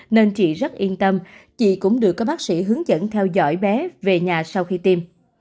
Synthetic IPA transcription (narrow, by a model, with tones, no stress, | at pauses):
ne˧nt͡ɕḭ˧˨zə˦˥t̚ʔi˧ənt̪ə˧mt͡ɕḭ˧˨kʊ̰˧˥ŋ͡mɗɨ˨˩əkːɔ˨˦ɓaː˦˥k̚sḭ˧˥ɦɨ˨˦əŋzə̰˧˥˨nt̪ʰɛ˧wzɔ̰˧˥˩jɓɛ˨˦ve˨˩ɲaː˨˩sa˧wxi˧t̪i˧m